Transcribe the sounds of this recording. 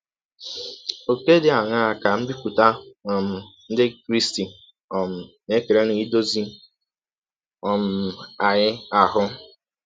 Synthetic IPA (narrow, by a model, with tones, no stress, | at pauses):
o˨ke˦dɪ˨a˨ɲa˦a˨ka˨m̩˦bi˦kʷu˨ta˦nɔ˨m̩˨n̩˦dɪ˦kɾi˦sti˨ | ɔ˨m̩˨ | ne˦ke˨ɾe˦nʊ˨˦i˦do˦zi˦ | ɔ˨m̩˨a˨ɲɪ˦a˨ɦʊ˦